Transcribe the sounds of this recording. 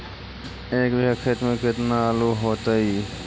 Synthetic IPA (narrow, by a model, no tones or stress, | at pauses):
eːkbəkʰet̪mẽkɪt̪naloɦoːt̪aɦiː